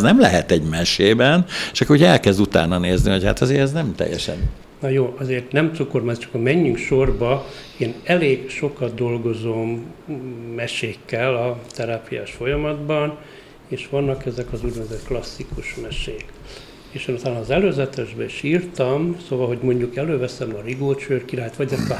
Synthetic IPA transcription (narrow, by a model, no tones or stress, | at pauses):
nɛmlɛɦɛt̪ɛɟmɛʃeːbɛnt͡ʃɒkouɟɛlkɛzd̪ut̪a̰ːnːɒneːzniho̞cha̰t̪ɒzeːɾɛznɛmt̪ɛ̰jːɛ̰ʃɛ̰n | nɒjoːʔɒzeːrt̪nɛmsukormaːzit͡ʃɒ̥kɒmɛɲːyŋkʃo̞rbɒ | eːnɛleːɡʃo̞kɒd̪̚d̪o̞lɡo̞zomː | ɛʃeːkːɛlɒt̪ɛɾaːpija̰ːʃfo̞jɒmɒd̪bɒn | eːʃʋɒnːɒkɛzɛkɒzuɟnɛzøt̪klɒsːikuʃmɛʃeːk | eːʃeːnut̪aːnːɒːzɛløːzɛt̪ɛʒbɛiʃiːrt̪ɒmsoːvɒlɦo̞ɟmo̞ɲɟukɛløːvɛsɛmɒriɡoːt͡ʃøːrkiɾaːjt̪ʋɒɟɛst̪ɒ